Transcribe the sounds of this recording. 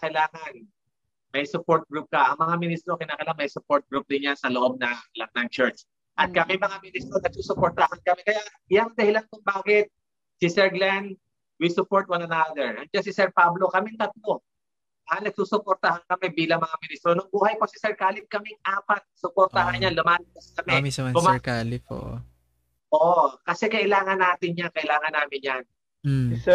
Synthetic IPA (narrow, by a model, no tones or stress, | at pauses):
akɐɪlaːŋɐn | mɐɪsʊpoɹt̪̚ɡɾup̚kɐʔɐŋmɐŋamɪnist̪ɾokɪnaːkɐjlanmɐsʊpoɹt̪̚ɡɹup̚d̪ɪnjansɐloʔo̞b̚nɐŋlɐk̚nɐŋt͡ʃɛɹt͡ʃ | ʔɐt̪̚kakɛjmɐŋamɪnist̪ɾonɐɡ̚suːsʊpoɹt̪ɐhankɐmɛkɐja | jaŋd̪ɐhɪlankʊŋbaːkɪt̪̚ | sɪsɛɹɡlɛnd̪ | wisʊpoɹt̪wɐnɐnad̪ɛɹɐnd͡ʒasɪsɛɹpablo̞kɐmɛnt̪ɐt̪̚lo̞ | ʔanɐɡ̚suːsʊpoɾt̪ɐhankɐmɛbiːlɐŋmɐŋamɪnist̪ɾonʊŋbuːhɐjposɪsɛɹkaːlɪf̚kɐmɪŋʔaːpɐt̪̚sʊpoɾt̪ɐɦanɲanlʊmaːlɐbɐskɐmɛmisɐʊmɛkaːlɪfo̰ːʔo̰ | ʔoːʔokɐsɛkɐʔɪlaːŋɐnːaːt̪ɪnɲankɐʔɪlaːŋɐnːaːmɪnjan̩